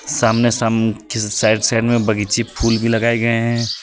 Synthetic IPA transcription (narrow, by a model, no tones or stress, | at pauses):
saːmnesaksaɪɖsaɪɖmẽbɐɡit͡ʃipʰuːlbʱilɐɡaːeɡɐeɦɛ̃ː